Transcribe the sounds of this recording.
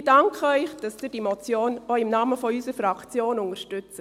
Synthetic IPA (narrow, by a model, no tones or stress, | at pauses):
dɑŋkʰχəœʏχd̥ɑsd̥yːd̥imɔt͡sjoːnoɪmnɑːməfɔysəɾfɾɑkt͡sjoːnʊŋəɾʃtʉt͡sə